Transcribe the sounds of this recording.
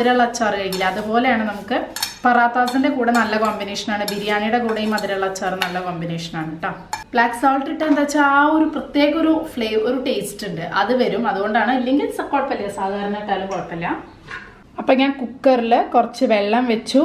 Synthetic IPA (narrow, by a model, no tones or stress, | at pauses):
ɐðiɾaːɭːɐt͡ɕːaːriɾɐŋɡilːɐːðupo̞ːle̞jaːɳɨnɐmukːɨpɐraːt̪ːaːsindekuːɽenɐlːɐkoːmbineːʂɐnaːɳɨbiɾijaːɳijuɽe̞kuːɽejumɐðiɾaːɭɐt͡ɕːaːrɨnɐlːɐkoːmbineːʂɐ̥naːɳɨʈːɐb̥ɭaːksaːlʈiʈːɐend̪aːt͡ɕːaaːoɾuprɐt̪je̞ːɣɐoɾufɭeːʋoɾuʈe̞ːsʈuɳɖɨʔɐðɨʋɐɾumɐðuɣo̞ɳɖaːɳɨilːeŋɡilsɐkːoːɖpɐlːɐjɐsaːd̪ʱaːɾɐɳɐiʈːaːlumkoːʈpːɐlːɐ | ɐpːoɲaːnkukːɐrilɨkurɐt͡ɕːɨʋeɭːɐmʋet͡ɕːu